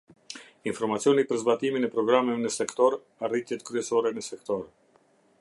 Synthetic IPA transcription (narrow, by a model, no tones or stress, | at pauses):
infɔɾmat͡siɔnipəɾzbat̪iminɛpɾɔɡɾamɛnəsɛkt̪ɔɾ | arit̪jɛt̪kɾyɛsɔɾɛnəsɛkt̪ɔɾ